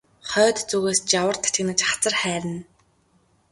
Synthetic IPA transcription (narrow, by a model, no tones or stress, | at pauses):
χœːt̪t͡suɣeːst͡ɕawə̆rt̪ʰːat͡ɕɪ̆nə̆t͡ɕχḁt͡sə̆rχæːɾɘ̆n